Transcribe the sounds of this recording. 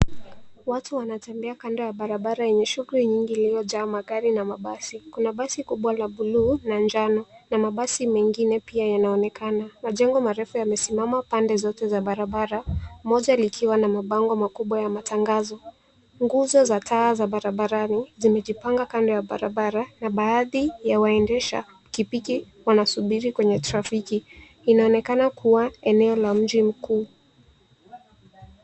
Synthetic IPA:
watuwanatɛmbɛakandɔjaɓaɾaɓaɾajɛɲɛʃuɣuliɲiŋɡiliɔʄaːmaɠaɾinamaɓasikunaɓasikuɓwalaɓuluːnand͡ʒanɔnamaɓasimɛŋɡinɛpiajanaɔnɛkanamaʄɛŋɡɔmaɾɛfujamɛsimamapandɛzɔtɛzaɓaɾaɓaɾamɔʄalikʰiwanamaɓaŋɡɔmakuɓwajamataŋɡazɔ | ŋɡuzɔzatʰaːzaɓaɾaɓaɾanizimɛʄipaŋɡakandɔjaɓa̰ɾaɓaɾanaɓaːðijawaɛndɛʃa̰ | kipiki | wanasuɓiɾikwɛɲɛtɾafikiː | naɔnɛkanakʰuwaɛnɛɔlam̩ʄim̩kuː

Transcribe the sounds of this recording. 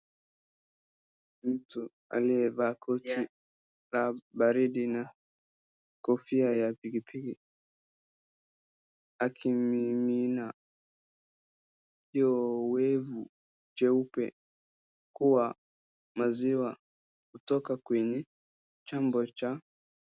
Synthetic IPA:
m̩tu | a̰liɛvakʰɔti | laɓaɾiɗina | kɔfiajapikipʰiki | akʰiimina | hiɔwɛvu | d͡ʒɛupɛ̰ | kuwa | maziwa | kutɔkakwɛɲɛ | t͡ʃambɔt͡ʃa

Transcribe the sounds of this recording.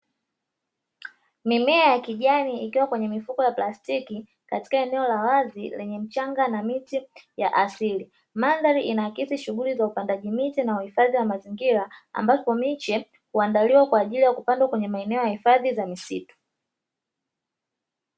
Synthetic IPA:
mimɛajakiʄaniikiwakwɛɲɛmifukɔjaplastiki | kati̥kaɛnɛɔlawazilɛɲɛm̩t͡ʃaŋɡanamitijaʔasili | manðaɾiʔinaakisiʃuɠulizaupandaʄimitinauhifaðiwamaziŋɡiɾaa̰mbapɔmit͡ʃɛ | huandaliwakwaːʄilijakupandwakwɛɲɛmaɛnɛɔjahifaðizamisḭtu̥

